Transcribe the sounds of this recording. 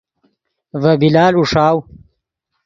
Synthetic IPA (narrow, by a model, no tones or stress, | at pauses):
vɐbilaːluʂaːw